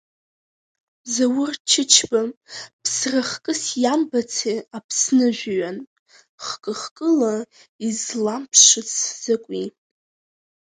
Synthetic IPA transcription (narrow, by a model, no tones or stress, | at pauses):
zawʊrt͡ʃʰɪt͡ʃʰbapʰsraχkʼɨsjambat͡sʰeapʰsnɨʒᶣʷɥan | χkʼɨχkʼɨla | izlampʰʂɨt͡sʰz̥akʷʼi